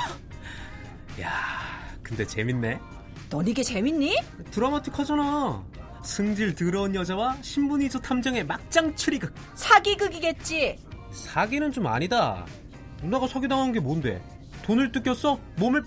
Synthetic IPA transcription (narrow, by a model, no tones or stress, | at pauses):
ja̰ | kɯnde̞t͡ɕe̞̰minːe̞ | nʌɲiɡe̞t͡ɕe̞minːitɯɾʌamatʰɯkʰad͡ʑana | sʰɯŋd͡ʑiɭtɯɾʌunjʌd͡ʑawaɕʰimbuɲiːs͈ʰʌtʰamd͡ʑʌŋe̞mak̚t͡ɕ͈aŋt͡ɕʰɯɾiɡɯ | sʰaɡiɡɯɡiɡe̞t̚t͡ɕ͈i | sʰaɡinɯnt͡ɕoma̰ɲida | munaɡasʰʌɡidaŋɦanɯnɡe̞monde̞̰ | tonɯɭt͈ɯk͈jʌs͈ʌ | momɯɭp